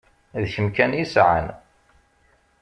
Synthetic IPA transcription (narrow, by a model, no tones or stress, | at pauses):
ðçəmkænisʕa̰n